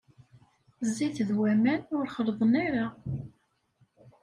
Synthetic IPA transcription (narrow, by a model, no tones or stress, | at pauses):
zːiθðwæmænʊɾχəɾðˤəniɾa